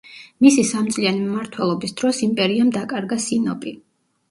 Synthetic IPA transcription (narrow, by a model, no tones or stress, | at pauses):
misisamt̪sʼlianimmaɾt̪ʰwɛlˠɔbisd̪̥ɾɔsimpʼɛɾiamd̪akʼaɾɡasinɔpʼi